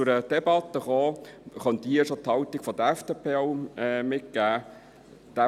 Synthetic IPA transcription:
t͡sʊɾəd̥̪ɛbɑt̪ːəχoːχœnd̥̪iəʃot̪hɑlt̪iɡ̥fɔd̥̪əæfd̥eːpʰeːoʊɛmɪt̚ɡ̥æː | d̥̪ɛ

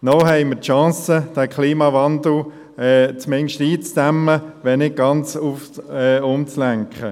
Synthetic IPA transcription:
nɔɦɛɪmətʃɑ̃ːsəd̥æːkʰliːmɑvɑnd̪l̩ | ɛt͡smɛnʃtiːt͡sdæmːəʋɛnɪɡ̚ɡ̥ɑnt͡sufɛʊmt͡slæŋkχə

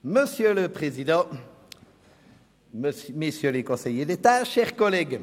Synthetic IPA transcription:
məsjøləpχezid̪ɑ̃ | mesjølekɔ̃sejed̪et̪aʃɛʁkɔlɛɡ

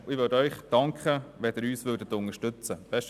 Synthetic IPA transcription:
ɪʋødœʏχd̥ɑŋkχəʋɛd̥̪ɪɾyːsʋøːdət̪ːʊnəʃtʏt͡səb̥ɛʃ

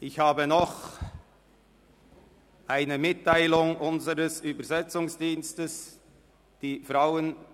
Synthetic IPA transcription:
ʔɪçhaːbənɔχ | ʔaɪnəmɪtʰːaɪlʊŋʔʊnzəʁəsyːbɐzɛt͡sʊŋsd̥iːnstəs | d̥iːfʁaʊən

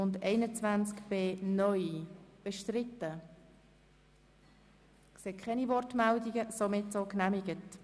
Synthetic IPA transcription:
ʊndɛɪnət͡svænt͡skb̥eːnœʏb̥əʃtɾɪtə | kseːkʰχɛnivɔrtmɛldiɡəsomɪtsoknæmɪɡət

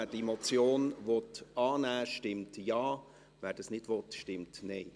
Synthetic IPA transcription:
ɛːdiɛmɔt͡sjoːnʋɔtɑːnæːʃtɪmtjɑː | ʋɛːɾd̥ɑsnɪd̥ʋɔtʃtɪmtneɪ

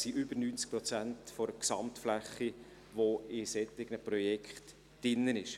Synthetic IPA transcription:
siʔʏbəɾnyːnt͡sk̚pɾɔt͡sæntfɔɾəksɑmtflæχːi | ʋoɪsɛt̪ːɪɡnəpɾɔjɛkχt | d̥ɪnːənɪʃ

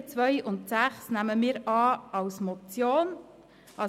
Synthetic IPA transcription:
t͡sʋœʏʔʊntsæχsnæməmɪːɾɑːɑwsmɔt͡sjoːn | ʔɑ

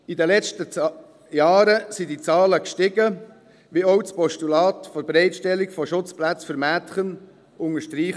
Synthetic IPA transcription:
idəlɛt͡stə | jɑːɾəsidit͡sɑːləkʃtɪɡə | ʋiɔʊspɔʃtulɑːt̪fɔbɾɛɪtʃtɛliɡfɔʃʊt͡splæt͡sfəɾmæːtχən | ʊŋəʃtɾiːχ

